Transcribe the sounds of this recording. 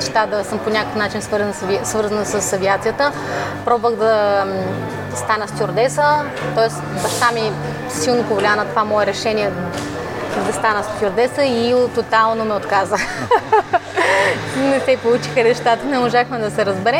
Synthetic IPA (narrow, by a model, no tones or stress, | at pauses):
ɛʃt̪ad̪ɐsəmponʲakəkənat͡ʃinsvɤɾzənsɐvisvɤɾzənsəsːɐviat̪sijət̪ə | pɾɔbovəɣd̪ɐ | st̪anəst̪ʲoɾd̪ɛsə | t̪ɔɛs | bɐʃt̪ami | silˠnopovolʲanət̪ovamɔɛɾɛʃɛniɛ | d̪ɐst̪anəst̪ʲjoɾd̪ɛsəit̪ot̪alˠnomɛot̪kazəx | nɛt̪ɛpolˠut͡ʃixəɾɛʃt̪at̪ənɛmoʒaxmɛd̪ɐsɛɾəzbɛɾɛ